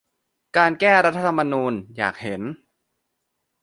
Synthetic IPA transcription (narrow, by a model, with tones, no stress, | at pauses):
kaː˧nkɛː˥˩ɾa˦˥t̪ʰːa˧t̪ʰa˧mːa˧nuː˧nja̰ː˨˩k̚he˩˦n